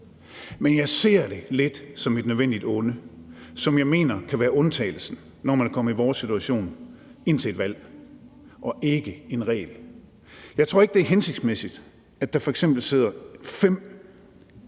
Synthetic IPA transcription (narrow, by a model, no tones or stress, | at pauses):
menjɑ̈ɪse̝̰ɐ̰d̥e̝le̝d̥sɒ̽med̥nøðˠʋen̰d̥id̥ɔ̽nəsɒ̽mjɑ̈ɪme̝̰ːnɐkʰæʋæːɐʔɔ̽nt͡sʰɛ̰ːl̩sn̩ | nɒmænkʰɒ̽m̰iʋɒːsit͡sʰuæɕo̝̰ːn | e̝n̰t͡sʰe̝ed̥ʋæl̰ | ʔɒ̽ʔe̝ɡ̥əe̝nʁɛ̰ːl | jɑ̈ɪt͡sʰʁo̝ɐe̝ɡ̥əd̥eɐɦense̝ɡ̥d̥smesid̥ | æd̥ɑ̈fɒ̽eɡ̥semb̥l̩se̝ð̞̰ˠɐfem̰